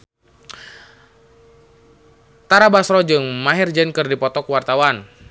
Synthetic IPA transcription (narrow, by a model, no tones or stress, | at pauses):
t̪aɾabasɾɔd͡ʒɨŋmaɦird͡ʒɛnkɨrdipɔt̪ɔkwart̪awan